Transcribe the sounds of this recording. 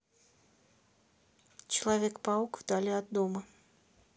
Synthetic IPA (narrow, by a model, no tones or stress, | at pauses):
t͡ɕɪlˠavʲɛkpaukvd̪alʲiɐd̪ːɔmɐ